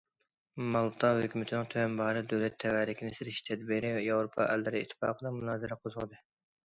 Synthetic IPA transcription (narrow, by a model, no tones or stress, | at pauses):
mɑlˠt̪ʰɑhøkʲʰymɪt̪ʰɪnɪŋt̪ʰøwɛnbɑːɾɨd̪øwlɛt̪ʰːɛwælɪkʲinɪsɪɾɪʃt̪ʰɛd̪biɾɪjɑwɾopʰɑ̰ʔɛ̰lːɪɾɪit̪ʰːɪ̥fɑ̰ːqʰəd̪ɨmunɑːzɨɾɛqʰozʊʁd̪ɨ